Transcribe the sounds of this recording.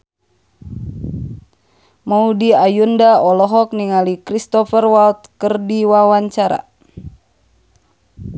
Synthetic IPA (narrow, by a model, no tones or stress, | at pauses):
maudiajundaɔlɔɦɔk̚niŋalikɾist̪ɔfərwalt̪̚kərdiwawaɲt͡ʃaɾa̰